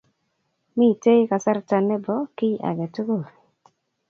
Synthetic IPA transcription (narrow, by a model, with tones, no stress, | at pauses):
mi˦˨te˦ka˨sa˦ɾta˨nɛ˦bɔ˨˦kɪ˦ʔa̰˨ɡɛ˨to˦ɡo˦˨ɾ